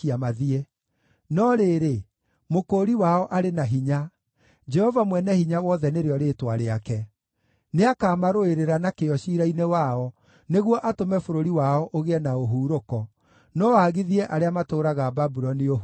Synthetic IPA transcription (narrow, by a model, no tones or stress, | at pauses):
iamaðiɛ | nɔɾeːɾe | mokoɾiwaɔʔaɾenaɦiɲa | d͡ʒɛhɔvamwɛnɛhiɲawɔðɛneɾeɔɾeːtwaɾeakɛ | neakaːmaɾoeɾeɾanakeɔʃiːɾainewaɔ | neɣwɔʔatomɛfoɾoɾiwaɔʔoɣeɛnaoɦuːɾokɔ | nɔaɣiðiɛʔaɾeamatoːɾaɣaːbabuɾɔnio